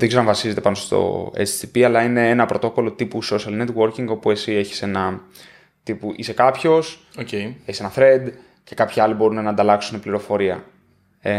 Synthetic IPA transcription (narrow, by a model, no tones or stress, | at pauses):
ðeɡzeɾɐɱvɐsize̞t̪e̞pɐnost̪o̞̰ḛt͡st̪ipiɐlɐine̞enɐpɾo̞t̪o̞ko̞lo̞t̪ipuso̞sɐlne̞t̪wo̞ɾciŋɡo̞pue̞sie̞çi̥se̞nɐ | t̪ipuʔise̞kɐpço̞s | oceeçse̞nɐθɾe̞d̪ | ce̞kɐpçiɐlibo̞ɾunenɐnd̪ɐlɐksune̞pliɾo̞fo̞ɾiɐ̰ | e